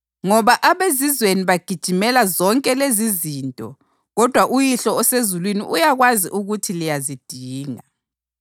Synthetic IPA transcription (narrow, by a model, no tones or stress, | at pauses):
ŋɔβaʔaβezizweniβaɡ̥ʱid̥ʒ̥ʱimɛlazɔŋkʼɛleziziːntʼɔ | ɣɔd̥ʱwaʔujiɬɔːsezulwinḭʔujaɣwazḭʔuɣutʰilijazid̥ʱiːŋa